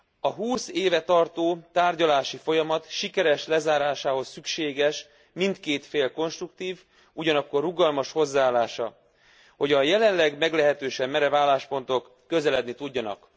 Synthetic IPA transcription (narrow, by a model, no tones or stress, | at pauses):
ɒɦuːseːvɛt̪ɒrt̪oːt̪aːrɟɒlaːʃifo̞jɒmɒt̪ʃikɛɾɛʃlɛzaːɾaːʃaːɦo̞sːykʃeːɡɛʃ | mint̪keːt̪feːlko̞nʃt̪rukt̪iːv | uɟɒnɒkːo̞rːuɡɒlmɒʃho̞zːaːlːaːʃɒ | ho̞ɟɒjɛlɛnlɛɡmɛɡlɛɦɛt̪øːʃɛmːɛɾɛvaːlːaːʃpo̞nt̪o̞kːø̞zɛlɛd̪nit̪uɟːɒnɒ̰k